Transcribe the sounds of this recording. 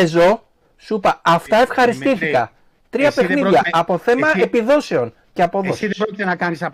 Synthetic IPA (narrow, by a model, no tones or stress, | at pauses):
ezo̞ | supɐɐft̪ɐe̞fxɐɾist̪iθikɐ̰ | t̪ɾiɐpe̞xniðʝɐɐpo̞θe̞mɐe̞piðo̞se̞o̞n | ceɐpo̞ðosðɾokit̪enɐkɐnisɐ